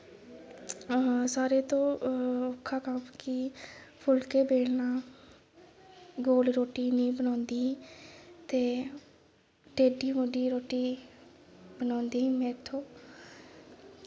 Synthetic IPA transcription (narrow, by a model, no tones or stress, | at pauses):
saːɾeːt̪õːokʰːaːkəmkɪpʰʊlkeːbeːɽnãː | ɡoːlɾoːʈiːniːbənãːnd̪ĩːt̪eː | ɖeːɖiːmoɖiːɾoːʈiː | bənãːnd̪iːĩːmẽːɾt̪ʰõː